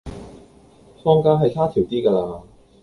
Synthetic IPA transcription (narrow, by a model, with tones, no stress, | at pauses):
fɔː˥ŋkaː˥ɦɐ˨jtʰaː˥t̪ʰiː˨˩wt̪iː˥kaː˧laː˧